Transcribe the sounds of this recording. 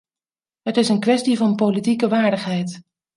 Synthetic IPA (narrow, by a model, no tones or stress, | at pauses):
ɦətɪsənkʋɛstivɑnpowlitikəʋaːɹdəχɦɛjt